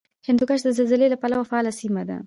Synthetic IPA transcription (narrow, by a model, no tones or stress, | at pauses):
hɪnd̪ukaʃ̬d̪əzɪlzɪlelapalawafaɑlasimad̪a̰